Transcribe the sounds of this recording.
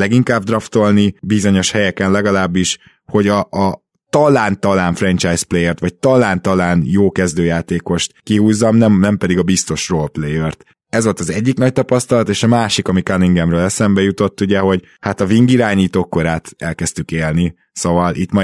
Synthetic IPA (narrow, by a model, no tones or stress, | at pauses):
lɛɡiŋkaːbd̪rɒft̪o̞lnibizo̞ɲo̞ʃhɛjɛkɛnlɛɡɒlaːbːiʃ | ho̞ɟɒː | t̪ɒlaːnt̪ɒlaːɱfrɛnt͡ʃajsplejɛrt̪ʋɒc̚t̪ɒlaːnt̪ɒlaːnjoːkɛzd̪øːjaːt̪eːko̞ʃt̪kiɦuːzːɒmnɛmnɛmpɛd̪iɡɒbist̪o̞ʃrolplejørt̪ | ɛzʋo̞lt̪ɒzɛɟːiknɒc̚t̪ɒpɒst̪ɒlɒt̪eːʃɒmaːʃikɒmikaniŋɡɛmrøːlɛsɛmbɛjut̪o̞t̪ːuɟɛɦo̞ɟ | hat̪ɒviŋɡiɾaːɲiːt̪oːkːoɾaːt̪ɛlkɛst̪ykeːlni | sovɒlʔḭt̪mɒ